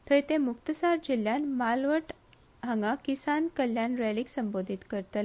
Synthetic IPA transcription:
t̪ʰəjt̪ẽmukt̪əsaɾd͡ʑiljanmalʋəʈ | ɦəŋɡakisankəljanɾeliksəmbod̪ʱit̪kəɾt̪əl

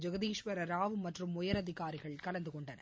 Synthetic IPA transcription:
d͡ʒɐɣɐðiːʂʋɐɾɐɾaːʋɯmɐʈrɯmːʊjɐɾɐðɪkaːɾɪɣɐɭkɐlɐnd̪ɯkɔɳɖɐnɐ̰

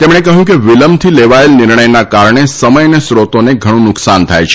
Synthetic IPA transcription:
t̪emɽ̃ekəɦjũkeʋiləmt̪ʰileʋaelnɪɾɳəjnakaɾɳesəməjnesɾot̪oneɡʱəɽ̃ũnʊksant̪ʰajt͡ʃʰe

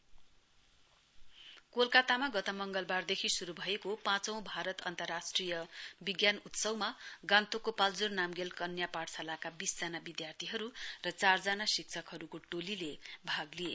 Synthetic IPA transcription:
kolkat̪amaɡʌt̪ʌmʌŋɡʌlbard̪ekʰisuɾubʱʌekopãt͡sʌ̃w̃bʱaɾʌt̪ʌnt̪ʌrːasʈrijʌbiɡjanut̪sʌwmaɡãnt̪okopald͡zurnamɡelkʌnjapaɽsʰalakabisd͡zanabid̪jart̪ʰiɦʌɾurʌt͡sard͡zanasik̚t͡sʰʌkɦʌɾukoʈolilebʱaɡlije

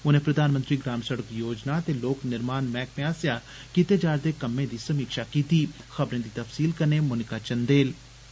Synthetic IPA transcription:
ʊnẽːpɾəd̪aːnmənt̪ɾiːɡɾaːmsəɽəkjoːd͡ʒnaːt̪eːloːknɪɾmaːnmɛ̃ːkmẽaːsjaː | kit̪eːd͡ʒaːɾd̪eːkəmːẽːd̪iːsəmiːkʃaːkiːt̪iːxəbɾẽːd̪iːt̪əfsiːlkəneːmʊnɪkaːt͡ʃənd̪eːl

